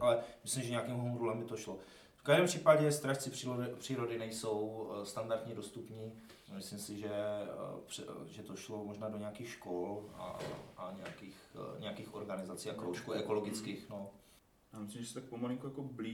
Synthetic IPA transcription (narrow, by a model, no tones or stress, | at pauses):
ʔalɛmɪslɪmʒɛɲɛjakiːmɦomuɾulɛmbɪt̪oʃlo̞ | fkaʒdɛːmpr̝iːpaɟɛst̪ɾaʃt͡sɪpr̥iopr̥iːɾo̞dɪnɛjso̞wst̪andaɾt̪ɲido̞st̪upɲiː | mɪslɪmsɪʒɛprɛʒɛt̪oʃlo̞moʒnaːdoɲɛjakiːxʃko̞la̰ʔaɲɛjakiːxɲɛjakiːxʔo̞ɾɡanɪzat͡siːakɾowʃkuʔɛko̞lo̞ɡɪt͡skiːxno̞ | jaːmɪslɪmʒɛsɛ̥t̪ak̚pomolɪŋkujakobli